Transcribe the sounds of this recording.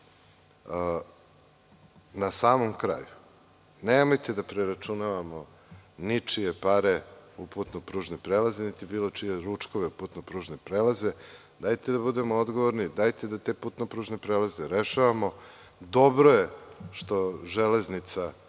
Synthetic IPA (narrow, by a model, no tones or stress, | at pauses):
nasaːmomkɾa̰ju | neːmo̞jt̪ed̪apɾeɾat͡ʃunaʋamo̞ | nit͡ʂijepaɾeuput̪nopɾuːʒnepɾelazenit̪ibiːlo̞t͡ʂije̞ɾut͡ʂko̞ʋeuput̪nopɾuʒnepɾeːlaze̞ | d̪ajt̪ed̪abud̪e̞mood̪ɡoʋoɾnid̪ajt̪ed̪at̪eput̪nopɾuːʒnepɾelazeɾeʃaʋamo̞ | d̪obɾojeʃt̪o̞ʒeleznit̪sa